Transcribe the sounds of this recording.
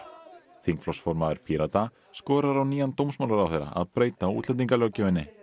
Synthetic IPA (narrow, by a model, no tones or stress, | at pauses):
θiŋkflɔsfɔɾmaðɪɾpʰiɾat̪a | skɔːɾaɾawniːjant̪owmsmawlaɾawθejɾa̰ʔa̰ðpɾeːjt̪aṵːt̪lɛnt̪̬iŋkalɔwcʏvɪnːɪ